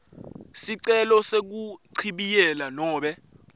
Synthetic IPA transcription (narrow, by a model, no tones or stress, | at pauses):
siǀɛlɔsek̬uǀʰiɓijɛlanɔːɓɛ